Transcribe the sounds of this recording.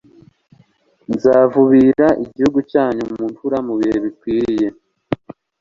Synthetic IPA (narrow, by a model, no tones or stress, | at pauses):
nzaːvuβiɾaʔiɟihuɡucaːɲumumuntuɾamuβihe̞βikwiːɾije̞